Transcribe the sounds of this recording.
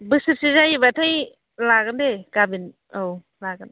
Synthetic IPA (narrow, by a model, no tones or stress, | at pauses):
bɯsɯɾsizajibatʰaj | laɡɯndekabin | ow | laɡɯn